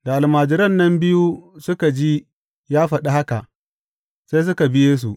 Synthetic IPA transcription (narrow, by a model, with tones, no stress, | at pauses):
da˨ʔa˨lmaː˨d͡ʒɪ˦ɾɐ˦˨nːɐ˦mbɪ˦ju˦sʊ˦ka˨d͡ʒi˦ | jaː˦ɸɐ˨ɗa˦ha˦ka˨ʔ | sa˦js̬ʊ˦ka˨bɪ˦jeː˦s̬u˨ʔ